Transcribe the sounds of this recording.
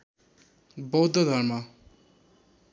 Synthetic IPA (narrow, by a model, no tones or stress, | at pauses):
bʌwd̪ʱːʌd̪ʱʌrma